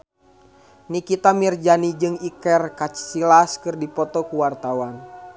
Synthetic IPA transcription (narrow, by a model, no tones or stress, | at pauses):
nikit̪amird͡ʒanid͡ʒɨŋikɛrkat͡ʃsilaskɨrdipɔt̪ɔkuwart̪awan